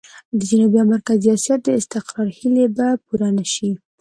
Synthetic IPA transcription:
d̪əd͡ʒanubjɑmaɾkaziɑsjat̪̚d̪əɪst̪ɪqɾɑɾhilebapuɾanaʃi

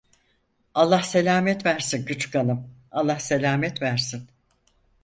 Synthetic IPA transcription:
alˠːahse̞lʲaːmɛt̪væɾsinɟyt͡ʃkalɯmalˠːahse̞lʲaːmɛt̪væɾsin

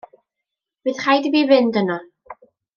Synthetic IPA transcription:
bɨðχajdibiːvɪndənɔ

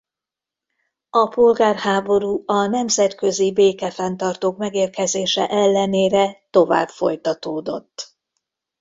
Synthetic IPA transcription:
ɒpo̞lɡaːrhaːbo̞ɾuːɒnɛmzɛt̪kø̞zibeːkɛfɛnt̪ɒrt̪oːkmɛɡeːrkɛzeːʃɛ̰ʔɛlːɛneːɾɛt̪o̞va̰ːbfo̞̰jt̪ɒt̪oːd̪o̞t̪ː

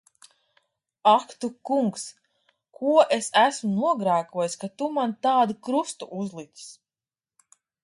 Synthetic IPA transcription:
akt̪ukuŋks | kʰuɔʔesæsmunuɔɡɾaːkuɔjiskat̪umant̪aːd̪ukɾust̪uʔuzlˠit̪ʲi̥s

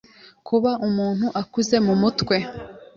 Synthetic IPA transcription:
kʰuβaʔumuːn̥huʔakuze̞mumutkwe̞

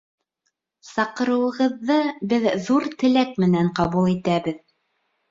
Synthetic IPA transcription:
sɑqɤ̆ɾɤ̆wɤ̆ʁɤ̆ðːɤbɘððuɾt̪ɘ̆læk̚mɘ̆næɴqɑβulˠit̪æβɘð

